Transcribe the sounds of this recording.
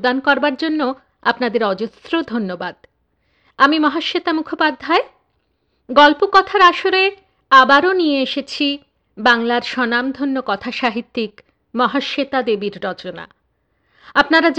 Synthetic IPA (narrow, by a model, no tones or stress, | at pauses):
d̪ankɔɾbaɾd͡ʑonːo | apnad̪eɾɔd͡ʑosɾod̪ʱonːobad̪ | amimɔɦaʃːet̪amukʰopad̪ʱːae | ɡɔlpokɔt̪ʰaɾaʃoɾe | abaɾonijeeʃet͡ɕʰi | baŋlaɾʃɔnamd̪ʱonːokɔt̪ʰaʃaɦit̪ːik | mɔɦaʃet̪ad̪ebiɾːɔt͡ɕona̰ | apnaɾad͡ʑ